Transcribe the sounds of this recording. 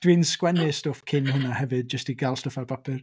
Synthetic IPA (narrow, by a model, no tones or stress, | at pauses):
d̥wiːnskwɛnɪstɔfkʰɪnhʊnahɛvɨd̚d͡ʒəstiɡalˠstɔfarbapʰɪr